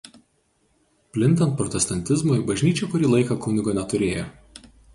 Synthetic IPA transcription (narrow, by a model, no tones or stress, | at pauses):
pʲlʲɪnʲt̪ʲɐnt̪̚pɾɔt̪ʲɛst̪ɐnʲt̪ʲɪzmoːibɐʒʲnʲiːt͡ʃʲoːkʊɾʲiːlˠɐɪkɐˑkʊnʲɪɡoːnʲɛt̪ʊɾʲeːjo